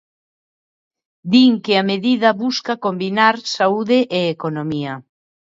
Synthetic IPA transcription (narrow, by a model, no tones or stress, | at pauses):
d̪iŋkeameðiðɐβuskakombinaɾsauðeʔeːkonomiɐ